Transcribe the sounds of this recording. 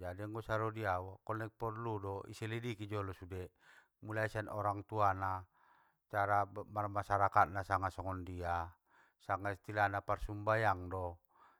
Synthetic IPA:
d͡ʒadiŋɡɔsaɾɔdiawakɔnɛk̚pɔrludɔḭsɛlidikid͡ʒɔlɔsudɛ | mulaisanɔɾaŋt̪uana | t͡ʃaɾamarmasaɾakat̪̚nasaŋasɔŋɔndia | saŋaist̪ilanaparsumbajaŋdɔ

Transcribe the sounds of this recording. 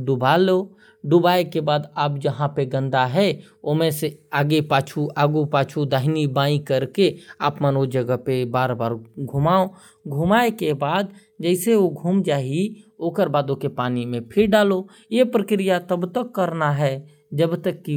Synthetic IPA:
ɖʊbaːlo | ɖʊbaːekebaːd̪aːpd͡ʒəɦãpeɡə̃nd̪aɦɛ | omẽseaːɡepaːt͡ʃʰuaːɡupaːt͡ʃʰud̪aːɦɪnibãːĩkəɾkeaːpmənod͡ʒəɡəpebaːɾbaːɾɡʱʊmaːo | ɡʱʊmaːekebaːd̪ | d͡ʒɛɪseoɡʱuːmd͡ʒaːɦioːkəɾbaːd̪okepaːnimẽpʰɪɾɖaːlo | jepɾəkɾijat̪əbt̪əkːəɾnaɦɛ | d͡ʒəbt̪əkːi

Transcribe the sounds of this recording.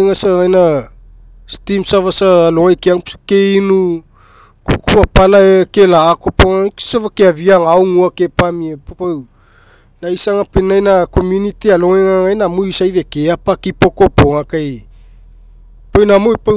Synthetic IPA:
ŋasaŋajna | stimsavasaloŋajkiaŋkeinu | kukuapalaekelaːkopoŋasavakeaviaŋawŋuakepamieppaw | naisaŋapenajnakomjunitialoŋeŋaŋajnamojsajvekeapakipoko̞poŋakaj | pawnamojpa

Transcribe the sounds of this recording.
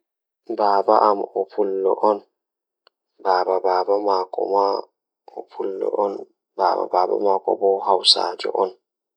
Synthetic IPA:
baːbaʔamɔpʰulːɔʔɔn | baːbabaːbamaːkɔ̰ma | ɔpʰulːɔ̰ʔɔn | baba̰baːba̰makɔ̰bɔhawsa̰ːd͡ʒɔ̰ʔɔn

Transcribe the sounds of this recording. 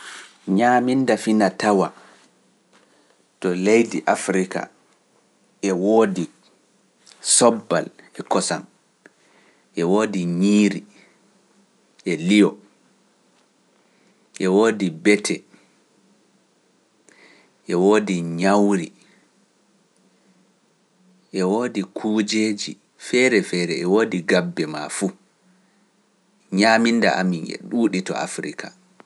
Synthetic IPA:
ɲaːmindafinatawa | tɔlejdiʔafɾika̰ | ʔɛwoːdi | sɔbːalʔɛkɔsan | ʔɛwoːdiɲiːɾi | ʔɛlijɔ | ʔɛwoːdibɛtʰɛ | ʔɛwoːdiɲawɾi | ʔɛwoːdikʰuːd͡ʒeːd͡ʒḭ | fɛːɾɛfɛːɾɛɛwoːdiɡabːɛma̰fu | ɲaːminda̰ʔa̰minɛ̰ɗuːɗitɔ̰a̰fɾikʰa

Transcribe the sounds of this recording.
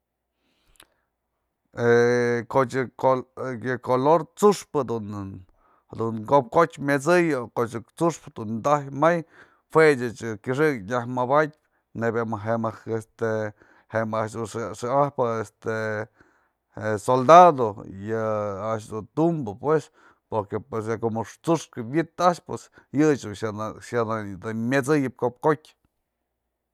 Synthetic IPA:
ekot͡ʃoɨkoloɾt͡suʂpɨd̪un | d̪unkop̚kot͡ʃmʲet͡sɨjokot͡ʃɨt͡suʂpd̪und̪ahjmaj | fwet͡ʃɨt͡ʃɨkʲiʂ̬ɨkɲahmabat̪̚ʲ | nebamaɦemakest̪e | hemaʔʃd̪unʂʂɨahpɨest̪e | esold̪ad̪ojɨaʔʃd̪unt̪umbɨpwes | poɾkepwesjakomɨʂt͡suʂkɨbʲit̪aʔʃpwes | jɨt͡ʃ | ad̪ad̪ɨmʲet͡sɨjɨp̚kop̚kotʲ

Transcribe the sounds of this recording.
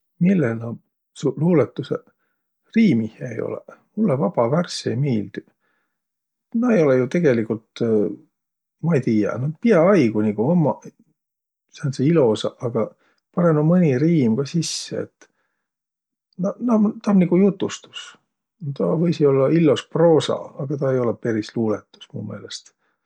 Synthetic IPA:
milːelnɑ | suluːlet̪ːˑusḛ | riːmihjæḛjo̰lḛmulːevɑb̥ɑværsiejmiːld̪̥i | nɑejo̞lejut̪e̞ɡ̥e̞likult̪ | mɑejt̪iːjɑ̰nɑt̪piɑɑjɡuniɡ̥uomːɑ | sɑnseilo̞sɑʔɑɡ̥ɑ | pɑɾemomɤnʲiriːmɡ̥ɑsisːeḛt̪ː | nɑnɑt̪ɑmniɡ̥ujut̪ːˑust̪u̥s | t̪ɑvɤjsio̞lːɑilːospro̞ːsɑ̰ɑɡ̥ɑt̪ɑe̞jo̞lepe̞ɾisluːlet̪ːˑu̥smṵːme̞ːle̞st̪

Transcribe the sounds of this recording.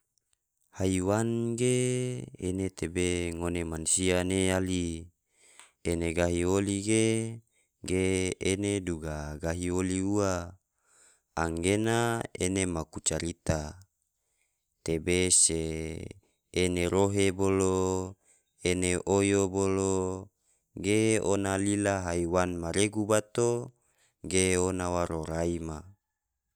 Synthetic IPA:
haiwanɡe | ḛnet̪ebeŋonemansianeali | eneɡaɦioliɡe | ɡeeneduɡaɡaɦioliua | aŋɡenaḛnemakut͡ʃaɾit̪a | t̪ebese | eneɾoɦebolo | eneʔojobolo | ɡeonalilaɦaiwanmaɾeɡubat̪o | ɡeonawaɾoɾaima

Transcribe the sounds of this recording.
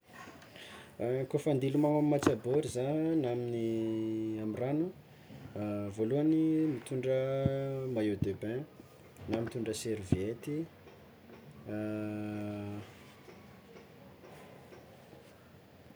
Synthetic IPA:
kofand̪ilumaamiːat͡saboɾizanamini | amiranu | voluanimit̪uɳɖ͡ʐə | majed̪ebe | namit̪uɳɖ͡ʐəseɾivet̪i

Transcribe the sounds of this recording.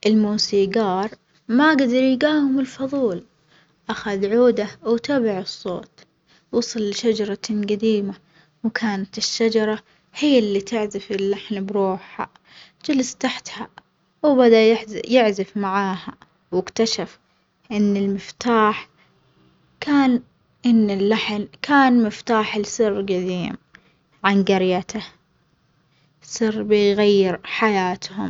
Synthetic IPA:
ʔɪlmuːsiːɡɑːɾˤ | maɡad̪ɑɾˤjɡaːhɪmɪlfɑðˤuːl | ʔaxaðʕuːd̪awt̪aːbaʕɨsˤːo̰ːt̪ | wɑsˤɑlːʃad͡ʒɑɾˤɑɡad̪iːma | wkʰaːnat̪ɪʃːad͡ʒɑɾˤɑ | hɪjːɪlːit̪ɪʕzɪfɪlːaħnabɾuːħa̰ | d͡ʒalast̪aħt̪ha | wbad̪ajɪħzjɪʕzɪfmaʕaːha | wɪkt̪aʃaf | ʔɪnːɪlmɪft̪aːħ | kʰaːn | ʔɪnːɪlːaħnkʰaːnmɪft̪aːħɪlsɨrːɡad̪iːm | ʕanɡɑɾjat̪a | sɨrːbɪɣajːɪɾħajaːt̪hʊm

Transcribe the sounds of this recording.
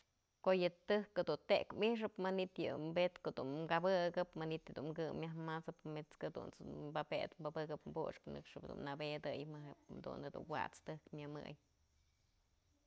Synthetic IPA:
kojɨt̪ɨhkɨd̪unt̪ekmiʂ̬ɨpmanit̪jɨ̰mbet̪koʔd̪unmkabɨɡɨpmanit̪ɨd̪unmkɨmːjahmat͡sɨpmet͡skɨd̪ṵnmbabet̪mbabɨkɨpmbṵʂknɨ̰kʂɨpd̪ṵnːabed̪ɨjmɨɦed̪ṵned̪ṵnwa̰t͡st̪ɨhkmʲɨmɨ̰j

